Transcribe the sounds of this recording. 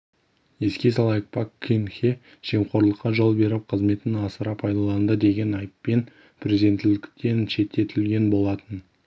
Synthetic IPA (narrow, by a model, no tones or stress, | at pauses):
je̞skʲe̞s̬ɑlˠɑjək̚pʰakʰːinxʲe | ʒ̥e̞mχo̞ɾlˠəqːɑʒo̞lˠbe̞ɾɪp̚qʰəzme̞t̪ɪnɑsəɾɑpʰɑjd̪ɑlˠɑnd̪əd̪e̞ɡʲe̞nɑjəpːe̞n | pʰɾʲezid̪e̞nt̪ːɪlɪkʲt̪e̞nʃe̞t̪ʰːe̞t̪ʰɪlɡʲe̞nbo̞lˠɑt̪ən